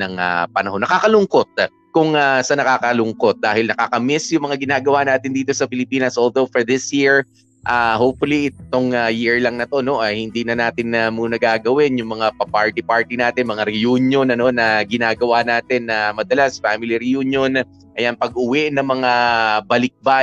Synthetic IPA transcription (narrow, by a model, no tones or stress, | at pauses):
nɐŋa̰pɐnɐho̞nːɐkaːkɐlʊŋko̞t̪̚ | kʊŋasɐnɐkaːkɐlʊŋko̞t̪̚d̪aːhɪlnɐkakɐmɛsjʊŋmɐŋaɡɪnaːɡɐwaʔnaːt̪ɪnd̪iːt̪o̞sɐpɪlɪpiːnɐsʔold̪owfoɹd̪ɪsjiɹ | ʔahowp̚fʊliʔɪt̪o̞ŋajiɹlɐŋnɐt̪o̞no̞ʔɐjhɪnd̪inɐnaːt̪ɪnɐmunɐɡaːɡɐwɪnjʊŋmɐŋapɐpaɹt̪ipaɹt̪inaːt̪ɪnmɐŋaɾɛjuːnjo̞nɐno̞nɐɡɪnaːɡɐwanaːt̪ɛnːɐmɐd̪ɐlasɐ̥famɪliɾɪjunjo̞n | ʔɐjanpɐɡʔʊwɛʔnɐŋmɐŋabɐlɪk̚ba